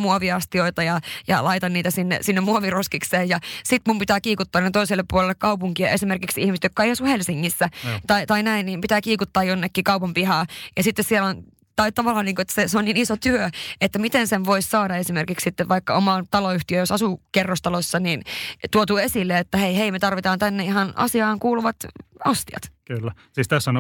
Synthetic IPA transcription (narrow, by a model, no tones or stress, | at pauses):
muoʋiɑst̪ioit̪ɑjɑjɑ̰lɑit̪ɑnniːt̪æsinːḛsinːemmuoʋiroskikseːjjɑsit̪mumpit̪æːkiːkut̪ːɑːnet̪oiselːeppuolelːekkɑupuŋkiɑʔesimerkiksihmiset̪jokːɑeiɑsuhelsiŋːisːæt̪ɑit̪ɑinæinniːmpit̪æːkiːkut̪ːɑːjonːekːiːkɑupɑmpihɑːjɑsit̪ːessielon | t̪ɑit̪ɑʋɑlːˑɑːniːkoet̪ːæ̥seseoniːnisot̪yøet̪ːæmit̪enseʋʋoissɑːdɑesimerkiksit̪ːeʋʋɑikːɑ̰omɑːnt̪ɑloyht̪iøjosɑsukerːost̪ɑlosːɑniːnt̪uot̪uːesilːeet̪ːæheiheimet̪ɑrʋit̪ɑːnt̪ænːeihɑnɑ̰siɑːŋkuːluʋɑt̪ɑst̪iɑ̰t̪kylːæ | siːst̪æsːon